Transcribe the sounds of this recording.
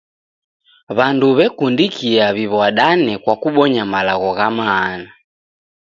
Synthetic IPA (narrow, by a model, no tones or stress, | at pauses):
βanduβɛkundikiaβiβɔaɗanɛkwakuɓɔɲamalaɣɔɣamaːna